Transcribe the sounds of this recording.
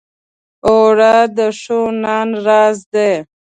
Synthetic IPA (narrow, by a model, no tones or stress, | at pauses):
oɽad̪əʂonɑːnɾɑːzd̪e